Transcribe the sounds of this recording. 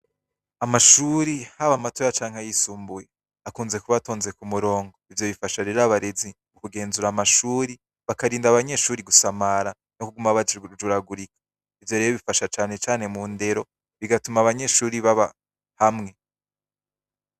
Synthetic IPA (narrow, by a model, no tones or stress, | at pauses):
amaʃuɾihaβamato̞ːɾat͡ʃaːŋ̥hajisuːmbuje̞ | akuːnze̞kuβato̞ːnze̞kumuɾo̞ːŋɡo̞ivjo̞βifaʃaɾe̞ɾaβaɾe̞ziβukuɡe̞ːnzuɾamaʃuːɾi | βakaɾiːndaβaɲe̞ʃuːɾiɡusamaɾa | nokuɡumaβad͡ʒuɾaɡuɾikḁ | ivjo̞ɾejoβifaʃat͡ʃaːne̞t͡ʃaːne̞munde̞ɾo̞ | βiɡatumaβaɲe̞ːʃuːɾiβaβa | hamŋe̞